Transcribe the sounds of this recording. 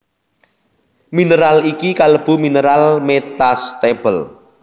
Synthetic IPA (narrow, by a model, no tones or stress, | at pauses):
minəɾalikikaləb̥ṳminəɾalmet̪ast̪eb̥əl